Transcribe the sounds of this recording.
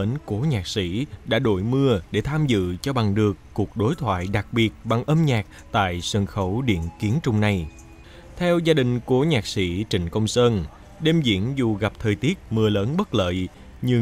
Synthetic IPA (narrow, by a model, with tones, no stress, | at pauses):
əː˨˦nko˨˦ɲaː˨˩k̚sḭ˧˥ɗa̰ː˧˥ɗo̰˧˩jmɨ˧əɗe˧˩t̪ʰaː˧mzɨ̰˧˨t͡ɕɔ˧ɓa˨˩ŋɗɨ˨˩əkːu˨˩ək̚ɗo˨˦jt̪ʰwa̰ː˧˨jɗa˨˩k̚ɓi˨˩ət̚ɓa˨˩ŋʔəː˧mɲaː˨˩k̚ | t̪a̰ː˧˨jsə˧˩nxə˧˩wɗḭ˧˨ənki˨˦ənt͡ɕʊ˧ŋ͡mna˧j | t̪ʰɛ˧wzaː˧ɗï˨˩ŋ̟ko˧˨˦ɲaː˨˩k̚sḭ˧˥t͡ɕï˨˩ŋ̟kə˧wŋ͡msəː˧n | ɗe˧mzḭ˧˥ənzu˨˩ɣa˨˩p̚t̪ʰəː˨˩jt̪i˦˥ət̚mɨ˧ələː˨˦nɓə˦˥t̚lə̰ː˧˨j | ɲɨ˧